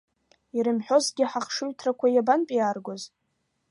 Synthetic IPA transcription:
iɾɨmħᶣo̞zɡʲɪħaχʂɨɥtʰrakʷʰajabanpʼijarɡʷoz

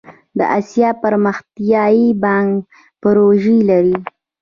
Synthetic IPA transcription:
d̪ə̰ʔasjɑpəɾməxt̪jɑjibɑŋɡ | pəɾoʒilaɾi

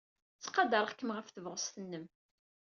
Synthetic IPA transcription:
t͡sːqːɑd̪əɾˤχkːəmʁəfθəvʁəst̪ənːəm

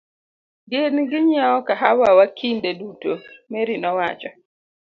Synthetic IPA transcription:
ɡɪnɡɪɲaɔkaɦawawakʰindedutomeɾinɔwat͡ʃɔ

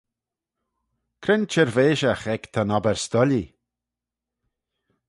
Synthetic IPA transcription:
kʰɾɪnt͡ʃʰɛɹveːʃəxɛkt̪ʰanɔbɛɹst̪ɔli

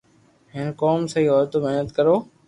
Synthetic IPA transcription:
ɦɪnkɔːmsɐɦiːɔːɾt̪omɪɦnət̪kəɾoː

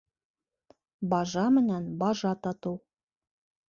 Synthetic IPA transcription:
bɑʒɑmɘ̆nænbɑʒɑt̪ɑt̪ɤw

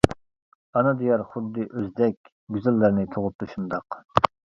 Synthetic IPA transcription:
ɑnɨd̪ijɑɾχʊd̪ːɨʔøzd̪ɛkʲ | ɡʲyzælːəɾnɪt̪ʰoʁʊp̚d̪uʃund̪ɑq

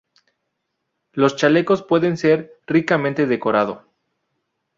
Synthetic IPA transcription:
lo̞st͡ʃale̞ko̞spwe̞ðe̞nse̞ɾ | rikamẽnt̪e̞ðe̞ko̞ɾað̞o

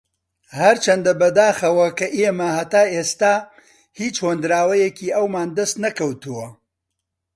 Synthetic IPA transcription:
hɐɾt͡ʃʰɐnd̪ɐbɐd̪aːxɐwɐkɐʔemɐhɐt̪aːest̪aː | hiːt͡ʃhond̪ɾaːwɐjɛkʰiːʔɐwmaːnd̪ɐst̪nɐkɐwt̪uwɐ

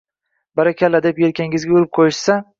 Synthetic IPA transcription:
baɾakʲʰalːad̪epjeɾ̚kʲaŋɪɪzɡʲauɾɪp̚qʰojɪʃsa

